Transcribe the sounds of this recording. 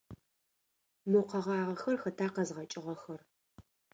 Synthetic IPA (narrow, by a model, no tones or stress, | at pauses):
muqɐʁɑːʁɐxɐrxɐtʰaːqɐzʁɐt͡ʃʼɪʁɐxɐr